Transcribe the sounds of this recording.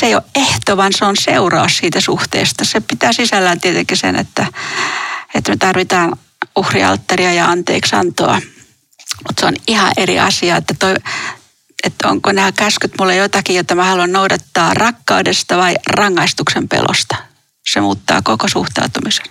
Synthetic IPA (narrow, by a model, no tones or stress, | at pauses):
seijoʔeht̪oʋɑnseonseurɑːssiːt̪æsuht̪ḛːst̪ɑsepit̪æːsisælːæːnt̪iet̪eŋkisḛnʔḛt̪ːæ | et̪met̪ɑrʋit̪ɑːn | uhriɑ̰lt̪ːɑriɑjɑɑnt̪ḛːksɑ̰nt̪o̰ɑ̰ | mut̪seonihɑ̰ʔerḭʔɑ̰siɑet̪ːæt̪oi | et̪ːo̰ŋkonæːkæskyt̪mulːejot̪ɑkijot̪ːɑmæhɑluɑnnoudɑt̪ːɑːrɑkːɑudest̪ɑʋɑirɑŋːɑist̪uksempḛlʔo̰st̪ɑ̥ | semuːt̪ːɑ̰ːkokosṵht̪ɑ̰ut̪umise̥n